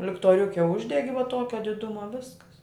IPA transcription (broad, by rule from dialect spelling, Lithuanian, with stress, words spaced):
lʲɪktoːˈrʲʊkʲɛ ˈʊʒʲdʲɛɡʲɪ ʋɐ ˈtuɔkʲɛ dʲɪˈdʊmɐ ˈʋʲɪskɐs